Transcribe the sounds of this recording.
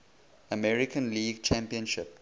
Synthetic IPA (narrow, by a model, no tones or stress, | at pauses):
əmɛɹikʰə̃nliːɡt͡ʃʰæ̃mpiə̃nʃɪp̚